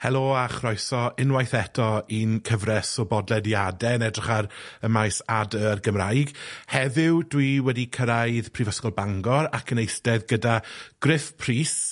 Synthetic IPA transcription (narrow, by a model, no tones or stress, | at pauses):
hɛlˠoːaχrɔjsɔɪnwajθɛtʰɔinkʰəvrɛsɔbɔdlˠɛdjadɛnɛdrɪχaɾəmajsadəːrɡəmrajɡhɛðɪwdwiwɛdikʰəɾajðpʰrivəskɔlˠbaŋɡɔɾakʰənejθdɛðɡədaɡ̥rɪfpʰriːs